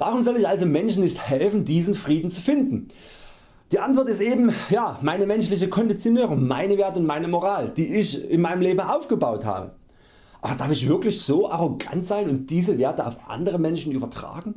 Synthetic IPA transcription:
vaːʁʊmzɔlɪçʔalzomɛnʃn̩nɪçthɛlfn̩diːzn̩fʁ̥iːdn̩t͡su̥fɪndn̩ | d̥iːʔantv̥ɔɐtɪstʔeːbm̩jaːmaɪnəmɛnʃlɪç̬əkʰɔndit͡sjonøːʁʊŋmaɪnəveːɐtəʊnt̚maɪnəmoʁaːld̥iːɪçɪnmaɪnəmleːbm̩ʔaʊfɡ̥əbaʊtha̰ːbə̰ | ʔaːbɐdaɐfɪçv̥ɪɐklɪçz̥oːʔaʁoɡa̰ntz̥aɪnʊnt̚d̥iːzəveːɐtəa̰ʊfʔa̰ndəʁəmɛnʃn̩ʔyːbɐtʁ̥a̰ːɡŋ̩

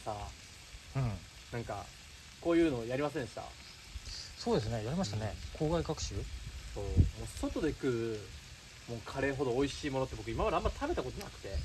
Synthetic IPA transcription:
sa | ɯ̟̃ɴ | nãŋka̰ | ko̞ːjɯ̟ːnoːjaɾʲimas̬ẽnd̪eɕi̥t̪a̰ | so̞ːd̪e̞sɨne̞jaɾʲimaɕit̪anekʰo̞ːɡaiɡakɯ̟̥ɕɨːso̞ːmoːso̞t̪o̞d̪e̞ikɯ̟ | mo̞ːkʰaɾe̞ːɦo̞d̪o̞ːiɕiːmo̞not̪ːebo̞k̬ɯ̟imamad̪eamːait̪ʰabe̞t̪ako̞t̪onakɯ̟̥t̪e̞

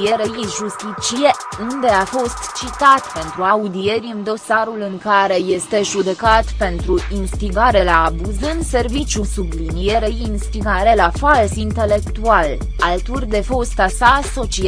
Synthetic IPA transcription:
ijeɾejiʒust̪it͡ʃije̞ | und̪e̞afo̞st̪t͡ʃit̪at̪pe̞nt̪ɾuaud̪ie̞ɾʲɨnd̪o̞saɾulɨŋkaɾe̞je̞st̪e̞ʒud̪e̞kat̪pe̞nt̪ɾuinst̪iɡaɾe̞laːbuzɨnd̪se̞rvit͡ʃʲusublinije̞ɾejinst̪iɡaɾe̞lafalsint̪e̞le̞kt̪ual | alt̪urʲd̪e̞fo̞st̪asaso̞t͡ʃi

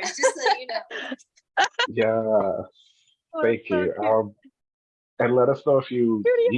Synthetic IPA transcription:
jɛs | θæ̃ŋkʰjʉʔa̰ | ɨ̃nlɛɾʌsnoʊɨfjɨj

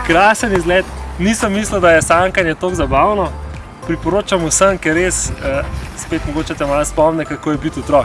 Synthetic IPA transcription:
kɾaːsənizɡlɛːt̪nisəmːisləwd̪ajɛsaŋkanjɛt̪oːɡzabaːwnɔ | pɾipɔɾoːt͡ʃamusəmkɛɾːesəspeːt̪mɔɡoːt͡ʃɛt̪ɛmalspɔmnɛkakoːjɛbit̪ut̪ɾɔk̚

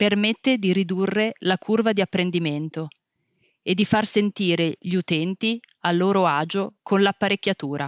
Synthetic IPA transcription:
permet̪ːed̪iɾid̪urːelakʰurvad̪iapːɾend̪iment̪o | ed̪ːifarsent̪iːɾeʎiut̪ɛnt̪ialːoːɾoaːd͡ʒokʰonlapːaɾekʲːjat̪uːɾʔa

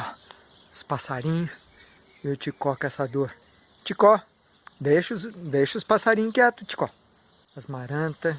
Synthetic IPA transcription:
ʊspasaɾĩɲʊ | ewt͡ʃɪkɔkɛsad̪oɾ | t͡ʃikɔ | d̪ejʃʊzd̪ejʃʊspasaɾĩɲʊkɪɛt̪ʊt͡ʃi̥kɔ | ɐzmaɾɐ̃t̪ɐ

